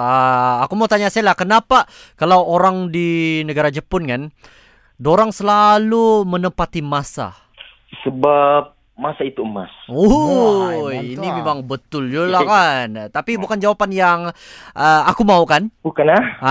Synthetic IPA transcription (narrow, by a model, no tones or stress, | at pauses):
aːkumaut̪aɲasalahkənapa | kalawoɾaŋdinəɡaɾad͡ʒəpʊnkan | doɾaŋsəlalumənəmpat̪imasa̰ | səbap̚ | masait̪uəma̰so | jinimemaŋbət̪ʊld͡ʒulakant̪apibukand͡ʒawapanjaŋʔəakumaukanbukanlah